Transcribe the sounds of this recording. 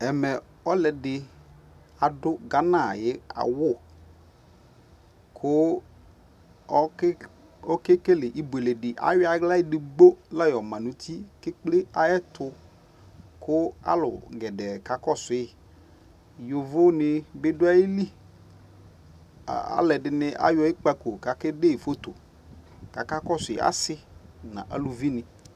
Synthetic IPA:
ɛ˨mɛ˨ | ɔ˦lɛ˨dɪ˨ | a˨dʊ˦ɡa˨na˦˨jɪ˨˦a̰˨wʊ˦˨ | kʰʊ˦ | ɔ˦ke˦ke˦lɪ˨ʔi˨bʊ˨e˨le˨dɪ˨ʔa̰˦wɪ˦a˨˦ɡla˦jɪ˨dɪ˨ɡ͡bo˦la˦jɔ˨ma˨nu˨tʰi˦kɪ˦k͡plɪ˦a˨ɛ˦tʰʊ˧ | kʊ˦a̰˦lʊ̰˨ɡɛ˨dɛ˨ka˨kɔ˦sɪ˨˦ɪ˨ | jʊ˨vʊ˦nɪ˦bɪ˦dʊ˦a˦ji˦li˦˨ | a̰˦lɛ˨dɪ˨nɪ˨˦ʔa̰˦jɔ˦ɪ˦k͡pa˦ko˨ka˨kɪ˦de˦i˨fo˦t̪o˨ | ka˨ka˦kɔ˦sʊ˨ɪ̰˨a̰˦sɪ˦nã̰˨ʔa̰˨lu˨vi˦nɪ˨

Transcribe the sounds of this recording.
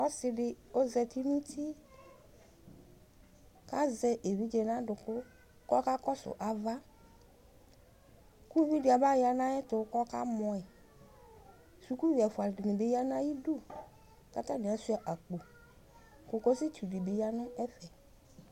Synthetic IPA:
ɔ˦sɪ˦ɖɪ˨o˦zɛ˨t̪i˦nũ˦t̪ʰi˦ | ka˦zɛ˦ʔe˨vi˦d͡ʒe˨nã˦ɖʊ˨kʊ˦ | kɔ˦ka˦kɔ˦sʊ̰˨ʔa˨va˦ | ku˦vi˦dɪ˨a˨ba˦ja˨nã˦ɛ˦t̪ʊ˨˦kɔ˦ka˦mɔ̃˨ɛ˨ | su˨ku˦vi˨a˨fʊ˨a˨dɪ˨nɪ̃˨be˦ja˦nã˦ji˦du˦ | ka˦t̪ã˦nẽ˨a˨su˦a˨ʔa˨k͡po˨ | kʊ˨ko˦sɪ˦tu˨ɖi˨be˨˦ja˦nʊ̃˦ɛ˦fɛ˨

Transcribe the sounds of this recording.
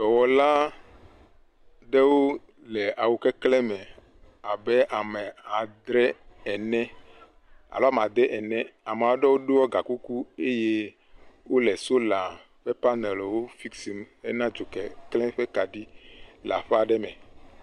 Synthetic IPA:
dɔ˨wɔ˨la˦ | ɖɛ˦wo˦ | lɛ˨ʔa˨wo˨kɛ˦klɛ˦mɛ̃˨ | a˨bɛ˦ʔa˨mɛ˨a˨d̪ɾɛ˦ɛ˨nɛ̃˦ | a̰˨lɔ˦a˦m˨a˨d̪ɛ˦ʔɛ˨nɛ̃˦a˨m˨a˨o˦ɖɛ˦wo˦ɖe˦wɔ˦ɡa˨ku˦ku˦e˦je˦ | wo˦lɛ˨so˦la˨ | ɸɛ˦pa˦nɛ˨lwo˦fi˦ksi˨me˦nã˦d͡ʒo˨kɛ˨klɛ̃˦ɸɛ˦ka˨ɖi˦la̰˨ɸɛ˦a˨ɖɛ˦mɛ̃˨

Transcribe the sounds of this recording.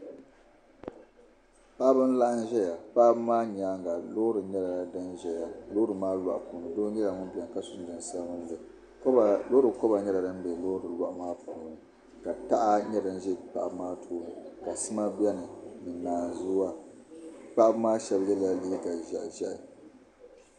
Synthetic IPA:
pa˦ʔbɨ˦n˦la˦ʔa˦n˦ʒɛ˦ja˨k͡pa˦ʔbmaː˦ɲa˨˦ŋɡa˨lo˦ɾɨ˨ɲɛ˦la˨dɨ˦nʒɛ˨ja˨loː˦ɾɨ˨maː˦lwa̰˨ʔpu˨nɨ˨do˦ɲɛ˦la˨ŋʊ˦bɛ˨n˨ka˦sʊ˨n˦dɨ˨n˨sa˦ŋʊ˦n˦bɛ˨˦˨ | lo˦ɾɨ˨kɔ˦ba˨ɲɛ˦la˨dɨ˦n˦be˨˦lo˦ɾɨ˨la˦ʔmaː˦puː˨nɨ˨ | ka˨ta˦ʔa˦ɲɛ˦dɨ˦n˦ʒɛ˦k͡pa̰˦˨ʔbmaː˦tʰoː˦nɨ˨ka˨sɨ˦ma˦bɛ˦nɨ˨nɨ˨naː˨n˨zu˦wa˦ | k͡pa˦ʔbmaː˦ʃɛ˦bjɛ˦la˨liː˦ka˨ʒɛ̰˨ʔʒɛ̰˦ʔɪ˨

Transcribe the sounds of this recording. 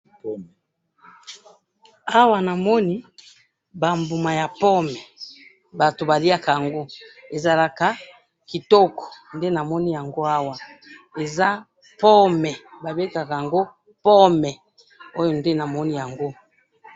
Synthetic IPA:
a˦wa˨na˨mɔ˦ni˦ | ba˨mbu˨ma˨ja˨pɔ˦mɛ˨ | ba˨to˨ba˨li˦a˦ka˨ja˨ŋɡo˦e˨za˨la˨ka˨ | ki˨tɔ˦kɔ̥˨nde˦na˨mɔ˦ni˦ja˨ŋɡo˦a˦wa˨e˨za˦ | pɔ˦mɛ˨ba˨be˦ka˨ka˨a˨ŋɡo˦ | pɔ˦mɛ˨ | o˦jo˨nde˦na˨mɔ˦ni˦ja˨ŋɡo˦

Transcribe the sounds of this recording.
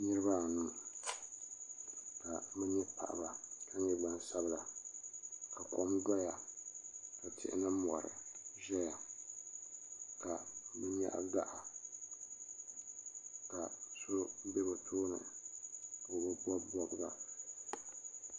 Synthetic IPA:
nɨ˦ɾɨ˦ba˦˨nu˦m | ka˨mɨ˦ɲɛ˦pa̰˨ʔa̰˨ba˨ka˦ɲɛ˦ba˦n˦sa˦bla˨ | ka˨kɔ̰˨m˦da˦ja˨ | ka˨tʰɪ̰˦ʔɪ̰˦nɨ˦m˨ɔ˨ɾɨ̰˨ʒɛ˦ja˨ | ka˨mɨ˦ɲa̰˦ʔda˦ʔa˨ | ka˨sʊ˦be˦bo˨tʰoː˦nɨ̰˨ | kːbɨ˦bɔ˦bɔ˦bɡa˨

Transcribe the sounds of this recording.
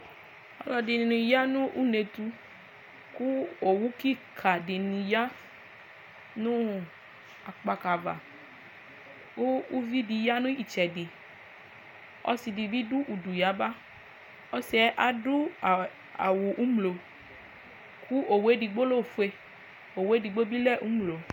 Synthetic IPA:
ɔ̰˨˦lɔ˧di˨ni˨nũ˨ja˦nũ˦ʔu˦ne˨t̪u˦ | ku˦o˨wu˦ki˦˨kʰa˨di˨nũ˨ja˦ | nũ˦ | a˨k͡pa˧ka˨va̰˨ | ko˦u˦vi˦di˧ja˦nũ˦i˨t͡ʃɛ˨di˨ | ɔ̰˦si˨di˨bi˦du˦ʔu˨du˨ja˨˦ba˦ | ɔ˦sɛ˨˦ʔa˨du˦˨ | a̰˨wo˨ʔu˦mlo˨ | kʰu˦ʔo˨we˦di˨ɡ͡bo˦lo˦˨fu˦e˦ | o˨we˦di˨ɡ͡bo˦bi˦lɛ˦˨ʔu˦mlo˨

